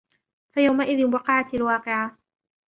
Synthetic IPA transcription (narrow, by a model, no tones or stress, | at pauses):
fajawmaʔɪðɪnwɑqɑʕat̪alwɑːqɪʕa